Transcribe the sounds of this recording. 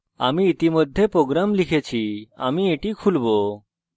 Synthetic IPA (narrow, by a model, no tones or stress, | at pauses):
a̰miːt̪imɔd̪ʱjepɾoɡɾamlikʰet͡ɕʰia̰mieʈikʰulbo